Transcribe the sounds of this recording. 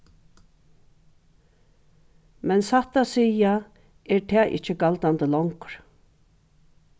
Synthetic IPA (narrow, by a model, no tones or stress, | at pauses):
mɛnsaht̪asiːja | ɛɹt̪ʰɛːʔɪ̰ht͡ʃəɡalt̪ant̪əlɔŋkɾ̥